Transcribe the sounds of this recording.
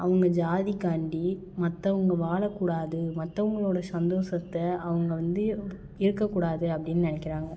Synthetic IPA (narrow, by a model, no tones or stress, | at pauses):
ʔɐʋɐŋɡɐd͡ʒaːðikaːɳɖi | mɐt̪ːɐʋɐŋɡɐʋaːɭɐkːuːɽaːðɯmɐt̪ːɐʋɐŋɡɐɭoːɽɐsɐnd̪oːsɐt̪ːɐɐʋɐŋɡɐʋɐnd̪ɯ | ɪɾɯkːɐkːuːɽaːðɯɐpːɐɽɪnːɯnɪnɛkːɪɾaːŋɡɐ